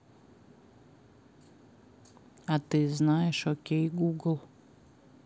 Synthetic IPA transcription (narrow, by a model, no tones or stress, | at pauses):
at̪ɨznajɛʃɔkʲejɡuɡl̩ˠ